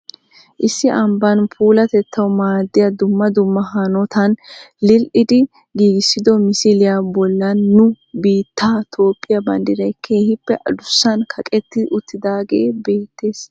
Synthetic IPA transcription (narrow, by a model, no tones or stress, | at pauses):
ʔɪsːɪʔɐmbɐnpʰuːlɐt̪ɛt̪ʰːɐwmaːd̪ːɪjɐd̪ʊmːɐd̪ʊmːɐɦɐnɔt̪ɐnlɪlʔɪd̪ɪ | ɡiːɡɪsːɪd̪ɔmɪsɪlɪjabɔlːɐnːʊ | biːt̪ːaːt̪ʰo̞ːpʼːɪjɐbɐnd̪ɪɾɐjkʰeːhɪpːɛʔɐd̪ʊsːɐnkʰɐkʼɛt̪ːɪʔʊt̪ːɪd̪aːɡe̞̰ːbe̞ːt̪ːe̞ːs